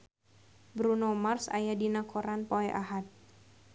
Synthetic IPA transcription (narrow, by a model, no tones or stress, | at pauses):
bɾunomarsa̰jadinakʰɔɾanpɔɛʔaɦat̪̚